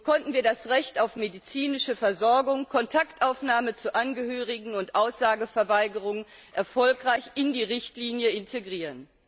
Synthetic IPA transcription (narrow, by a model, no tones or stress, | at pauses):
kʰɔntn̩viːɐdasʁɛçtaʊfmedit͡siːnɪʃəfɛɐzɔɐɡʊŋkʰɔntʰaktʔaʊfnaːmət͡suʔanɡəhøːʁ̞ɪɡŋ̩ʊntʔaʊsz̥aːɡəfɛɐvaɪɡəʁ̞ʊŋ | ʔɛɐfɔlkʁ̥aɪçɪndiːʁɪçtliːnjəɪntʰeɡʁiːʁən